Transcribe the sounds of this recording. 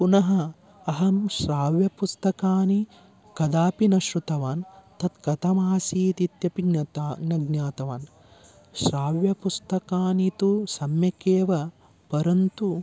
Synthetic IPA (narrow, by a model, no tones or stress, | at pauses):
punɐɦɐ | ɐɦɐmʃɾaːʋjɐpust̪ɐkaːni | kɐd̪aːpinɐʃɾut̪ɐʋaːnt̪ɐt̪kɐt̪ɐmaːsiːt̪it̪jɐpiɡnɐt̪aɡnɐɡnaːt̪ɐʋaːn | ʃɾaːʋjɐpust̪ɐkaːnit̪usɐmjɐkeːʋɐ | pɐɾɐnt̪u